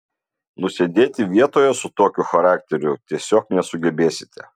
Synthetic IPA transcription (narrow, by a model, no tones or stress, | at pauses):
nʊsʲed̪ʲeːt̪ʲɪʋʲiɛt̪oːjɛsʊt̪oːkʲʊxɐɾɑːkt̪ʲɛɾʲʊt̪ʲiɛsʲoːknʲɛsʊɡʲɛbʲeːsʲɪ̥t̪ʲɛ